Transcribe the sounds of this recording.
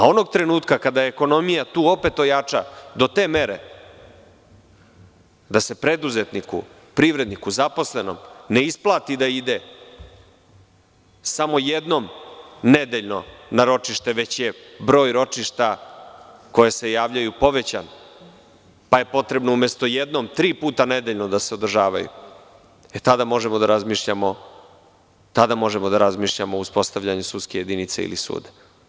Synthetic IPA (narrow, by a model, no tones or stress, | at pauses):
ao̞no̞ɡ̚t̪ɾe̞nuːt̪kakad̪ajeeko̞no̞mijat̪uːo̞pe̞t̪o̞jat͡ʂa̰d̪o̞t̪e̞ːmeɾḛ | d̪ase̞pɾe̞d̪uze̞t̪nikṵ | pɾiʋɾe̞d̪nikuzapo̞sleno̰mne̞isplˠaːt̪id̪aid̪e̞ | samo̞jed̪no̞mned̪eʎno̞̰naɾo̞t͡ʂiʃt̪e̞ʋe̞t͡ɕjebɾo̞ːjɾo̞t͡ʂiʃt̪a | ko̞jese̞jaːʋʎajupo̞ʋe̞t͡ɕan | paje̞po̞t̪ɾe̞bno̞umest̪o̞jed̪no̞mt̪ɾiːpuːt̪aned̪eʎno̞d̪ase̞od̪r̩ʒaːʋajṵ | et̪ad̪amo̞ʒemod̪aɾazmiːʃʎamo̞ | t̪ad̪amo̞ʒemo̞d̪aɾazmiːʃʎamouspo̞st̪aʋʎaɲusut̪skeje̞d̪init̪seḭlḭsṵːd̪ḁ